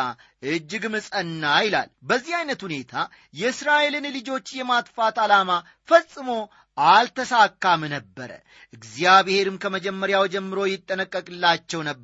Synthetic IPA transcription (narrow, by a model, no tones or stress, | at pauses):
a | ʔɨd͡ʒːɨɡmɨsʼənːajɪla̰lbəzːihajnət̪hune̞t̪ʰa | jɛɨsɾaʔe̞lɨnlɨd͡ʒo̞t͡ʃːjɛmat̪fat̪alama | fəsʼɨmo̞ | ʔalt̪ʰəsakːamnəbːəɾə̰ | ʔɨɡzjaβehe̞ɾɨmkʰəməd͡ʒɛmːəɾjawd͡ʒɛmːɨɾo̞jɪt̪ʼːənəkʼːəkʼɨlːat͡ʃːɛwnəb